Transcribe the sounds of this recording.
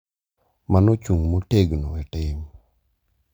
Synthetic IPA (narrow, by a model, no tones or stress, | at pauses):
manot͡ʃuŋmoteɡnoɛʈɪm